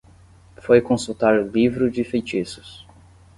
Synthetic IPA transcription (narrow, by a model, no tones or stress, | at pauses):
fojkõsut̪aɾlivɾʊd͡ʒɪfejt͡ʃisʊ̥s